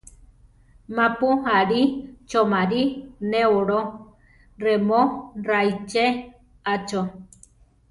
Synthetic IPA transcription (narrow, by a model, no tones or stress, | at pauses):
mãpuɦaɾit͡ʃomãɾinẽoɾo | remõrajt͡ʃe | at͡ʃo